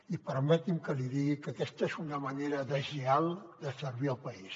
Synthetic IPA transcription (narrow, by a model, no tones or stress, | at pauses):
ipəɾmɛt̪imkəliðiɣikəkɛst̪əezunəməneɾəðəʒialˠd̪əsəɾβiəlˠpəis